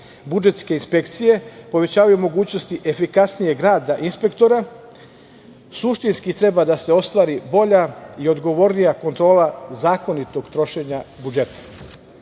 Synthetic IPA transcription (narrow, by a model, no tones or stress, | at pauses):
bud͡ʒe̞t̪ske̞inspe̞kt̪sije̞po̞ʋe̞t͡ɕaːʋajumo̞ɡuːt͡ɕno̞st̪iʔe̞fikasnije̞ɡɾaːd̪aʔinspe̞kt̪o̞ɾa | suʃt̪inskit̪ɾe̞bad̪ase̞o̞st̪ʋaːɾibo̞ʎaio̞d̪ɡo̞ʋo̞ɾnijako̞nt̪ɾo̞ːlazaːko̞nit̪o̞ɡt̪ɾo̞ʃe̞ɲabud͡ʒe̞t̪ḁ